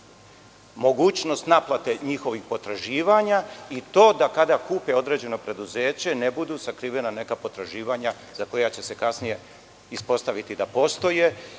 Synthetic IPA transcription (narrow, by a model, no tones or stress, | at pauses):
mo̞ɡuːt͡ɕno̞st̪naplˠat̪e̞ɲixo̞ʋixpo̞t̪ɾaʒiːʋaɲait̪o̞ːd̪akad̪akuːpeo̞d̪ɾe̞ːd͡ʑe̞no̞pɾe̞d̪uzeːt͡ɕe̞nebud̪usakɾiʋe̞nane̞kapo̞t̪ɾaʒiːʋaɲa | z̥ako̞jat͡ɕe̞se̞kasnije̞ | ispo̞st̪aʋit̪id̪apo̞st̪o̞je